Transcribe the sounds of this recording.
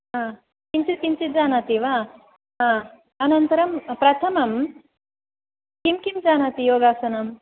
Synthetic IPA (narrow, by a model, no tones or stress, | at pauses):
ɦãː | kimt͡ʃit̪̚kimt͡ʃit̪̚d͡ʒaːnaːt̪iːʋaː | ɦãː | ɐnɐnt̪ɐɾɐmpɾɐt̪ʰɐmɐm | kimkimd͡ʒaːnaːt̪ijoːɡaːsɐnɐm